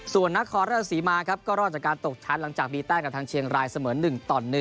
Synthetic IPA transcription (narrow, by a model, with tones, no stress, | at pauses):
su˨˩ənːa˦˥kʰːɔː˧nɾaː˥˩˧siː˩˦maː˧kʰa˦˥p̚kɔː˥˩ɾɔː˥˩t͡ɕaː˨˩kaː˧nt̪o˨˩k̚t͡ɕʰa˦˥nla˨˩˦ŋt͡ɕaː˨˩k̚biː˧t̪ɛː˥˩ka˨˩t̪ʰaː˧ŋt͡ɕʰi˧əŋɾaː˧jsa˧mɤː˩˦nːɯ˨˩ŋt̪ɔː˨˩nːɯ˨˩